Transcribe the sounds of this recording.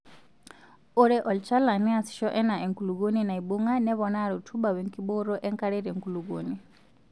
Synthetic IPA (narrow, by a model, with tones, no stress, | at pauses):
uɾɛ˦ʔɔ˨lt͡ʃa˦la˨ni˦a˨si̥˨ʃɔ˦ʔɛ˦na˨ʔe˨ŋku˨luɡu˦nina˨i˨buŋa˦ne˦βɔna˦˨ɾutʰuɓa˨βe˨ŋkiɓo˦ɾɔ˦ʔe˦ŋkaɾe˦ɾe˨ŋku˨lu˨ɡuni